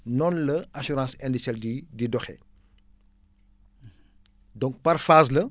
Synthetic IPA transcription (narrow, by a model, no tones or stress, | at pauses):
nɔnlɐɐsuɾãːsɛndisɛldididɔxɛ̰ | dɔ̃ŋk̚pɐɾfaːzlɐ